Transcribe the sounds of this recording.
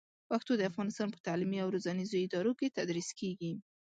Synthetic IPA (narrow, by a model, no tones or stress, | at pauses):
paxt̪od̪əafɣɑnɪst̪ɑnpə̥t̪aʕlimiawɾozɑnizoɪd̪ɑɾoket̪ad̪ɾiskeɡi